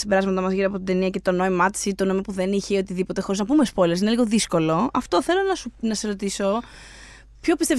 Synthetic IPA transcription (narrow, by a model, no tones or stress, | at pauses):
sibe̞ɾɐzmɐt̪ɐmɐzʝiɾiɐpo̞t̪id̪e̞niɐce̞t̪ono̞imɐt̪i̥sit̪onoimopuðe̞niçeiot̪iðipo̞t̪e̞xoɾiznɐpumespo̞jlesineliɣo̞ðisko̞lo̞ɐft̪o̞θe̞lo̞nɐsunɐsesɾot̪iso̞ | pço̞pist̪e